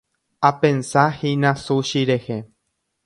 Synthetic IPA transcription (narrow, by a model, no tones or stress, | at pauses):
apẽnsahinãsuʃiɾehe